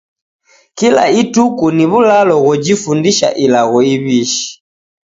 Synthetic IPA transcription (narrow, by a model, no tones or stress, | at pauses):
kila̰itukuniβulalɔɣɔd͡ʒifundiʃa̰ʔilaɣɔiβiʃi̥